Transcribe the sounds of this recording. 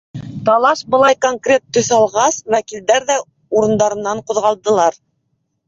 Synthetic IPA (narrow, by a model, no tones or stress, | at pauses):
t̪ɑlˠɑʃbɤ̆lˠɑjkoŋkrʲe̞t̪ːɵ̆θɑlˠʁɑswækild̪æɾðæ | uɾɤ̆nd̪ɑɾɤ̆nːɑɴqŭðʁɑlˠd̪ɤ̆lˠɑɾ